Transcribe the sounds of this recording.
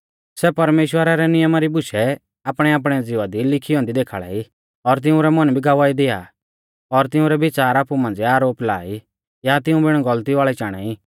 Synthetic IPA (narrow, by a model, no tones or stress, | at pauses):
sɛpɐɾmeːʃwəɾaɾɛnɪjəmaɾibʊʃʰɛ | aːpɽ̃ɛaːp̬ɽ̃ɛd͡zɪʋad̪ilɪkʰiɔ̃ːnd̪id̪eːkʰaɭa̰i | ɔɾt̪̬ɪũɾɛmɐnbʱiɡaːʋaːid̪ɪa̰ | ɔɾt̪ɪũɾɛbɪt͡ʃaːɾaːpumãːnd͡ziaːɾoːpla̰ːi | jat̪ɪũbɪɽ̃ɡɐlt̪iʋaːɭɛt͡ʃaːɽ̃a̰iː